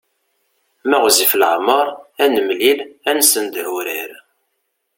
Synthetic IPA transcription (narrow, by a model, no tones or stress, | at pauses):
mæʁziflʕmːəɾˤænəmlilænsənd̪əɾuɾiɾ